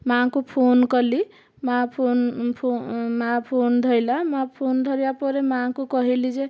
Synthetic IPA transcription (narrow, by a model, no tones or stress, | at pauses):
mãkopʰonkʌli | mapʰonpʰomãpʰond̪ʱʌjlamãpʰond̪ʱʌɾjapɔɾemakokʌɦelid͡zẽ